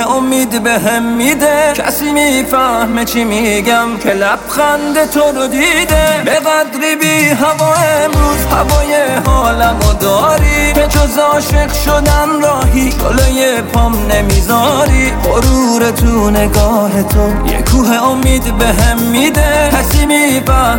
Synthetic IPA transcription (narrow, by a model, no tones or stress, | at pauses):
omiːd̪beɦemːid̪ecʲʰæ̰siːmiːfæhmet͡ʃʰimiːɡæmkʰelæfɣænd̪e̞t̪ʰoɾod̪iːd̪ebeɣæd̪ɾiːbiɦævɒːemɾuːzhævɒːjehɒːlæmod̪ɒːɾikʰet̪ʰozɒːʃeqʃod̪ænɾɒːɦit͡ʃo̰lojepʰɔmnemizɒːɾiqoɾuːɾet̪ʰuneɡɒːɦet̪ʰo | jḛkʰuːɦeomiːd̪beɦemːiːd̪ekʰæsiːmifæh